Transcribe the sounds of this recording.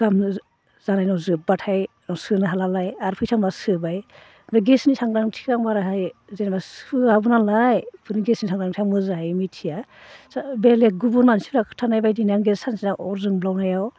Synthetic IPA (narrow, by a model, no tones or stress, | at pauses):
ɡ̥am | z̥anajnɔwzɯbatʰaj | nɔsɯnaɦalalajaɾpʰɯjsʰaŋbasɯbaj | daɡesnisaŋdaŋtʰi̥kɾaŋbaɾaɦajzenbasɯabunalajpʰɯniɡesnisʰaŋɾaŋtʰiamɯzaɦajmitʰijasbeleɡubunmansibɾakʰtʰanajbajdinaŋɡesansinaʔɔɾzɯŋblawnajaw